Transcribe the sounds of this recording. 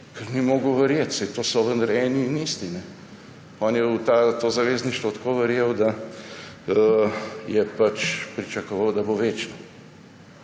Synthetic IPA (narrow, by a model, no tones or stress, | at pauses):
kɛɾnimoːɡʊʋəɾjet̪sajt̪oːsɔʋə̃nd̪ɐɾɛːniniːst̪inɛ | ɔːnjɛwt̪aːt̪oːzɐʋeːzniʃt̪ʋɔt̪koːʋəɾjewd̪a | əjɛpat͡ʃpɾit͡ʃɐkɔʋawd̪ɐboʋeːt͡ʃnɔ